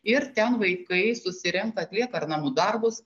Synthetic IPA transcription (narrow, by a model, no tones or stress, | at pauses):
ɪɾt̪ʲɛnʋɐɪkɐɪsʊsʲɪɾʲɛŋk̚t̪ɐːt̪ʲlʲiɛkɐɐɾnɐmud̪ɐɾbʊs